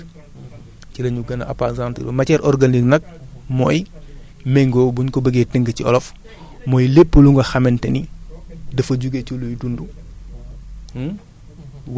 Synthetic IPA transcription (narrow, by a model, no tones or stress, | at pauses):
cilɐɲuɡɐnɐʔɐ̰pazantḭlɔ̰mɐcɛɾʔɔɾɡaniknɐk̚mɔːj | mɛŋɡɔːbuɲkɔbəɡetəŋɡəciɔ̰lɔf | mɔːjlepːəluŋɡɐxɐmɛntɛnidɐfɐɟuɡecolujdundu | w